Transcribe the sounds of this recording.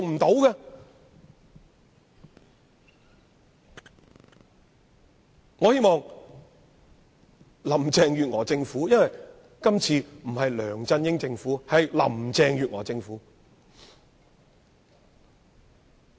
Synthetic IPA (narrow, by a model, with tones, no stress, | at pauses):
ʊ˨ŋm̩˨˩t̪o˨˥wɡɛː˧ | ŋɔː˨˧he˥jmɔː˨ŋ | lɐ˨˩mt͡sɛː˧ŋjyː˨t̚ŋɔː˨˩t͡sɪ˧ŋfuː˨˥jɐ˥nwɐ˨j | kɐ˥mt͡sʰiː˧m̩˨˩ɦɐ˨jlœː˨˩ŋt͡sɐ˧njɪ˥ŋt͡sɪ˧ŋfuː˨˥hɐ˨jlɐ̰˨˩mt͡sɛː˧ŋjyː˨t̚ŋɔ̰ː˨˩t͡sɪ˧ŋfuː˨˥